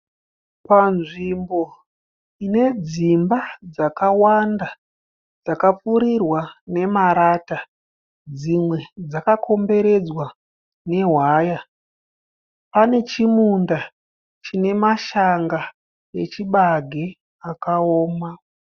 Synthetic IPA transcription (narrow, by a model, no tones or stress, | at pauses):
panʐimbo̞ | ine̞d͡zimbad͡zakawanda | d͡zakap͡fuɾirwane̞maɾata | d͡zimwe̞d͡zakakʰo̞mbe̞ɾe̞d͡zwa | ne̞ɦwaːja | pane̞t͡ʃimunda | t͡ʃine̞maʃaŋɡa | jet͡ʃiɓaɡʱe | akaoːma